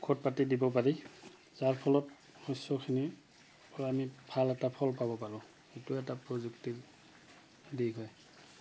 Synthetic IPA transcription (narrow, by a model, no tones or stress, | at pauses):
kʰɔt̚patidibɔp̬aɹi | zaɹpʰɔlɔt̚ | ɔjsɔkʰini | pɔɹamibʱalɛtapʰɔlpabɔpalʊ̃ | etʊɛtapɹɔzuktiɹ | diɡʱɔj